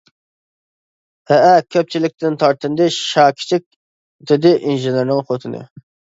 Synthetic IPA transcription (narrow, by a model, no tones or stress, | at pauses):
ɛʔɛkʲʰøp̚t͡ʃʰilɪk̚ʲt̪ɪnt̪ʰɑɾt̪ʰɨnd̪ɨʃɑːkʲʰi̥t͡ʃʰɪk̚ʲ | t̪ʰɪd̪ɪʔinʒeneɾnɑlˠχot̪ʰɨnɨ̰